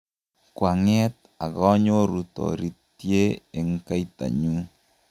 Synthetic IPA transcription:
kwa˨ŋɛ˦t̪̚ | a˨ɣɔ˦ɲo˦ɾu˨t̪ɔ̰˨ɾi˨t̪je˦e˨ŋ˦ka˦i˦t̪a̰˨ɲu˦

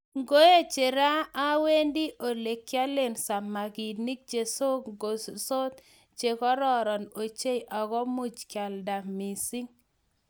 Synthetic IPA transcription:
ŋɡo˦je˦t͡ʃe˨ɾa˦a˦we˦ndi˦ʔo˨le˨kːja˦le˦˨nsa˨ma˨ɡi˨ni˦k̚d͡ʒe˨so˦ɡo˨sso˦t̪̚ | t͡ʃe˨kɔ˦ɾɔ˨ɾɔ˨no˨t͡ʃe˦jʔɔ˨ɡɔ˦mu˦t͡ʃkja˨lda˨mi˨si˦ŋ

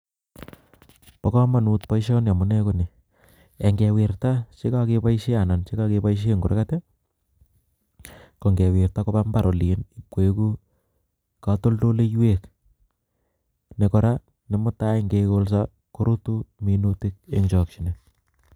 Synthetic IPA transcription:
paka˦ma˨nut̚pajʃɔ˦nja˨mʊ˨ne˦koni˨ | e˨ŋɡe˨wi˨rtat͡ʃe˦kake˦pa˦jʃi˦a˨na˨nt͡ʃe˦kakepaiʃ̬ie˦ŋɡu˨ɾḛ˦kate˦ | ko˨ŋɡe˨wɪ˨rtako˦bambaɾʔo˨li˨nipweku˦ | kato˦lto˦le˦jwek | ne˨kɔɾa | ne˨mʊ˦ta˦ŋɡe˧ko˦ls̬a | ko˦ɾutu˦minutɪk̚ḛŋt͡ʃɔk̚t͡ʃine

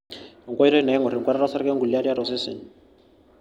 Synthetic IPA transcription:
ɔ˨ŋ˨ka˦i˦ɾɔ˦i˦na˨ɛ˦ŋɔ˨ɾi˨ŋ˨kwa˦ɾa˦ɾa˦sa˦ɾkɛ˦ŋɡu˨lia˦ɾi˦a˦ɾɔ˨sɛ˦sɛ̰˨n

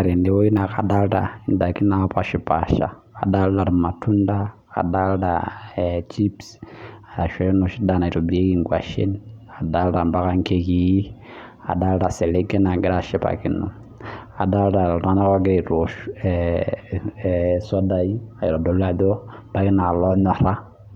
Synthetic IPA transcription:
a˨ɾe˨nde˨˦wo˦i˦na˨ka˨da˦lɾa˨i˨nda˨ki˦na˦pa˨ʃi˨pa˨ʃa̰˨ | a̰˨da˦lda˨ɾi˨ma˨tʰu˦nda˦ | ka̰˨da˦lda̰ | t͡ʃi˦psa˨a˨ʃe˦no˨ʃi˦da˨na˨i˨ɾo˨bi˨ɾe˦ki˦ŋɡwa˨ʃḛ˦n | a˨da˦lɾa˨mba˦ka˦ŋke˦ki˨ji˦ | a̰˨da˦lɾa˨se˨le˦ɡe˦na˨ɡɪ˦ɾa˨ʃɛ˦pa̰˨ki˦no̰˨ | a˨da˦lɾa˨ɾn˦a˦na˦kɔ˦ɡi˦ɾe˨ɾo˨ʃ | sɔ˦da˨ji˦a˨i˨ɾa˨do˨la˦˨ðo˦b̥a˦ki˦na˨lɔ˦ɲɔ˨ɾa˦

